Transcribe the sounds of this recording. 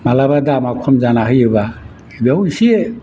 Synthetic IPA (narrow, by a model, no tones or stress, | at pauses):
malabadamakʰɔmzanaɦɯjeba | ebawisie